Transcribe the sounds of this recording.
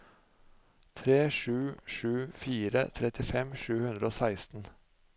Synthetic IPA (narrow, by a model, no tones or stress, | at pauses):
t̪ʰɾeːʂʉːʃʉːfiːɾə̰t̪ʰɾɛt̪ɪfɛmʃʉːhʉnd̪ɾəoːsæɪst̪n̩